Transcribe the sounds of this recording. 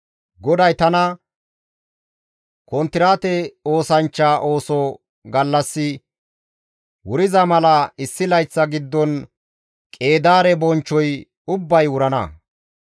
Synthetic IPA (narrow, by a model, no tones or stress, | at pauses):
ɡɔd̪ɐjt̪ɐnɐ | kɔnt̪ɪɾaːt̪ɛo̞ːsɐnt͡ʃːaːʔo̞ːsɔ | ɡɐlːɐsːɪ | wʊɾɪzɐmɐlɐɪsːɪlɐjt͡sːɐɡɪd̪ːɔn | kʼe̞ːd̪aːɾɛbɔnt͡ʃːɔj | ʊbːɐjwʊɾɐnɐ̰